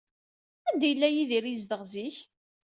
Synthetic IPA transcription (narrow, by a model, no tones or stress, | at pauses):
ænd̪æjəlːæjiðiɾizd̪əʁziç